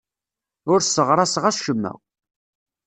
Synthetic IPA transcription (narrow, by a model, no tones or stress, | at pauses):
ʊɾsːəʁɾˤɑsʁæsʃəmːæ̰